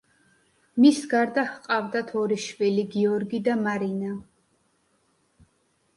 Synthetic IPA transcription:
misɡaɾd̪ahqʼavd̪at̪ʰɔɾiʃviliɡiɔɾɡid̪amaɾina

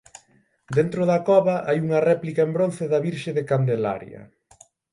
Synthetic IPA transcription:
d̪ent̪ɾʊðɐkɔβɐʔajuŋɐrɛplikaembɾonθɪðɐβiɾʃeðɪkand̪ela̰ɾjɐ̰

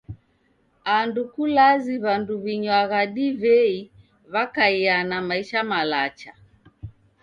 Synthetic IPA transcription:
andukulaziβanduβiɲwaɣaɗivɛi | βakaianamaiʃamalat͡ʃa

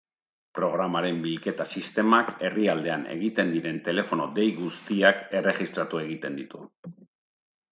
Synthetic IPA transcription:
pɾo̞ɣ̞ɾamaɾe̞mbilke̞t̪asist̪e̞make̞riald̪e̞ane̞̰ɣ̞it̪e̞nd̪iɾe̞nt̪e̞le̞fo̞no̞d̪e̞jɣust̪iake̞re̞χist̪ɾat̪ue̞ɣ̞it̪e̞nd̪it̪u

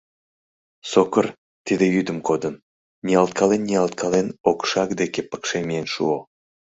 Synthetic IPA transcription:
sokər | t̪id̪ejyd̪əmkod̪ən | nʲiɑlˠt̪̚kʰɑlenːiɑlˠt̪̚kʰɑlenokʃɑkd̪ekepə̥kʃemienʃṵo

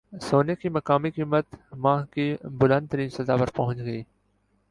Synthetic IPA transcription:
soːnekimɐkaːmikiːmət̪mãːkibʊlə̃nd̪̚t̪əɾiːnsɐzaːpɐɾpɐɦʊ̃nt͡ʃɡəiː

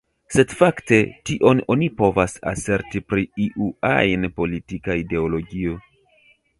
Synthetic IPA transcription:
se̞dfakte̞tiʔo̞no̞nipo̞vasa̰se̞ɾtipɾiiʔua̰jnpo̞litikaide̞olo̞ɡio̞

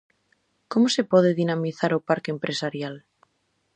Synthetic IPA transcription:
komosepɔð̞eðinamiθaɾopaɾkeempɾʔesaɾjal

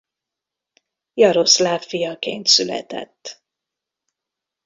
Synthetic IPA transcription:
jɒɾo̞slaːffijɒkeːnt̪sylɛ̰t̪ɛ̰t̪ː

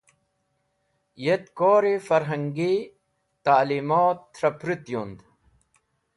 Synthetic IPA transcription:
jet̪koːɾifɐɾɦɐŋɡi | t̪aːlimoːt̪ːɾɐpɾit̪jund̪

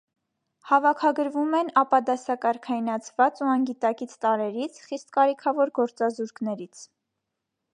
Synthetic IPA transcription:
hɑvɑkʰɑɡəɾvumɛnɑpɑd̪ɑsɑkɑɾkʰɑinɑt͡sʰvɑt͡suɑŋɡit̪ɑkit͡sʰt̪ɑɾɛɾit͡sʰχist̪kɑɾikʰɑvɔɾɡɔɾt͡sɑzuɾknɛɾit͡sʰ

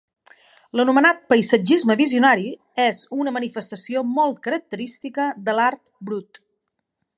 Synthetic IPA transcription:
lənumənat̪̚pəjsəd͡ʒizməβiziunaɾi | ezunəmənifəst̪əsiomɔlˠt̪̚kəɾək̚t̪əɾist̪ikəðəlaɾt̪bɾut̪

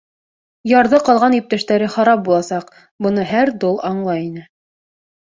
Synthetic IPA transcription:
jɑɾðɤqɑlˠʁɑnip̚t̪æʃt̪æɾɘχɑɾɑp̚bulˠɑsɑq | bɤ̆nɤɦæɾd̪olˠɑɴlˠɑjinɘ

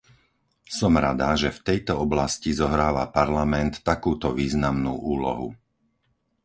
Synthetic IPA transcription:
sɔmɾa̰d̪aʒɛft̪ɛjt̪ɔɔblascizɔɦɾaːʋa̰paɾlamɛnt̪ːakuːt̪ɔʋiːznamnṵːʔuːlɔ̰ɦṵ

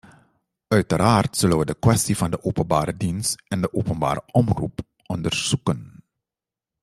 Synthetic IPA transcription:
œɥtəraːrtsɵlənʋədəkwɛstivɑndəʔoːpənbaːɾədinstɛndəʔoːpənba̰ːɾə̰ʔɔmrṵp | ʔɔndərz̥ukən

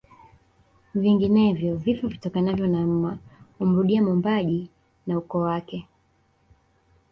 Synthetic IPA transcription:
viŋɡinɛvjɔvifɔvitɔkanavjɔnam̩aum̩ɾuɗiamumbaʄi | naukɔwakɛ

